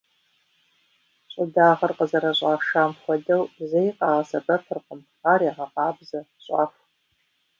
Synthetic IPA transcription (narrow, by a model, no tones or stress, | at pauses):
ɕʼʊdaːʁɐrqəzɐɾɐɕʼɑːʃaːmχʷɔdɐwbzejqɑːʁɐsɐbɐfʰɨrqəmχaːɾjaʁɐqɑːbzɐ | ɕʼɑ̰ːfʷ